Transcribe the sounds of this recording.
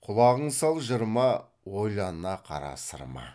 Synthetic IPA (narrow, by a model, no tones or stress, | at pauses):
qʰʊlˠɑʁəɴsɑlˠʒəɾmɑ | wo̞jlˠɑnənɑqʰɑ̰ɾɑ̰st̪ə̰ɾmɑ̰